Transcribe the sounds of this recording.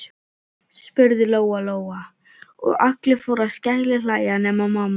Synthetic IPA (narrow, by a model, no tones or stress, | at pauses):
spʏɾðɪloːwaloːwa | ɔ̰ɣahklɪfowɾascahlɪlaːjanɛːmamaːma